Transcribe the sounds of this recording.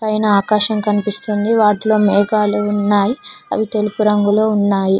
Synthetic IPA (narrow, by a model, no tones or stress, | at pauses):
pɐjnɐaːkaːʃɐmkɐnipist̪und̪iʋaːʈilo̞ːmɛːɡaːluunːaːjiɐ̰ʋit̪e̞lupuɾɐŋɡuloːunːaːji